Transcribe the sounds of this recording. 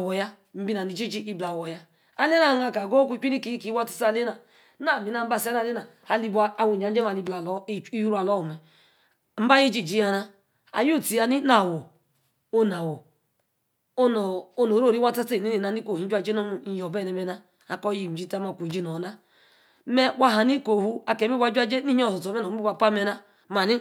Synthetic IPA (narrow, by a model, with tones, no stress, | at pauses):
wɔ˨ja˦ | m̩˦bi˦na˨ni˨d͡ʒi˦d͡ʒi˦i˦bla˨wo˨ja˦ | a˦le˦na˨na˨ka˨ɡo˦ku˦ki˦ni˦ki˨˦ki˨˦wa˦ti̥˨sle˦na˨ | na˦˨mi˨˦na˦˨m̩˦ba˦˨sa˦na˨le˦na˨ | a˨li˦ba˦a˨wu˨ɲa˨n̩˦e˦ma˨li˦bla˨lɔ˦i˦ju˦ɾu˦a˨lɔ˦o˨mɛ˨ | m̩˦ba˦je˦d͡ʒi˦˨d͡ʒi˦ja˦na˦ | a̰˨ju˦˨ti˨a˨ni˦na˦˨wo˨ | o˦na˨wo˨ | o˦no˨o˦no˨ɾo˦ɾi˦wa˦ta˦te˦˨ni˦ni˨na˨ni˦ko˨hi˨n˦d͡ʒʷa˦˨d͡ʒe˦no˦˨˦jo˨bɛ˦˨ne˨me˨na˦ | a̰˨kɔ˦ji˦˨m̩˨d͡ʒi˦ta˦ma˨kʷu˨d͡ʒi˦no˨na˦ | me˦wa˦ɦa˨ni˦ko˨hu˦a˨ke˨˦m˦i˦wa˦d͡ʒʷa˦d͡ʒe˦ni˦ɲi˦ɔ˦˨sɔ˨to˨me˦no˨˦i˦a˦˨pa˦me˦na˦ | ma˨ni˦